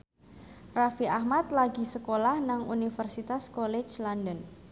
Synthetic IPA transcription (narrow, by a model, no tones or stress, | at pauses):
rafiʔahmat̪laɡisəkolahnaŋunifərsit̪askolet͡ʃlɔndən